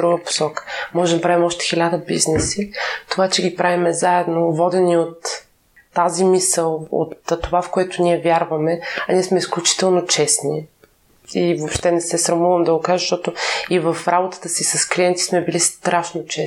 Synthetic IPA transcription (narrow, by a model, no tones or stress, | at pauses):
d̪ɾuɡəpo̥sɔkə̥mɔʒɛmd̪ɐpɾavimɔʃt̪ɛ̥xilʲad̪əbiznɛsit̪ovat͡ʃɛɡʲipɾʔavimɛzaɛd̪novɔd̪ɛniot̪ː | azimisəlˠo̰t̪ːovafkoɛt̪ʊniɛvʲjaɾvɐmɛɐnʲiɛsmɛisklʲut͡ʃi̥t̪ɛlˠnot͡ʃɛsni | ivopʃt̪ɛnɛsɛsɾɐmuvəmd̪ɐokaʒəʃt̪ɔt̪ʊivəfɾabot̪ə̥t̪əsisɐskliɛnt̪i̥smɛbilist̪ɾʔaʃnot͡ʃɛ